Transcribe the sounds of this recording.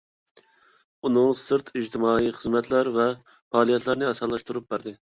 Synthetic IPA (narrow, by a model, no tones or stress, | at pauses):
unɨŋsɨɾt̪ʰid͡ʒt̪ʰɪmɑːiχəzmɛt̪ʰlæɾvɛ | fɑːlˠijɛt̪ʰlæɾnɪɑsɑlˠɑʃt̪uɾup̚bæɾd̪ɨ